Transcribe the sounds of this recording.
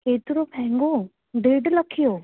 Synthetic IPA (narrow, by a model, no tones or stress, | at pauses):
eːt̪ɾopʰɛ̃ːŋɡoː | ɖeːɖləkʰːijoː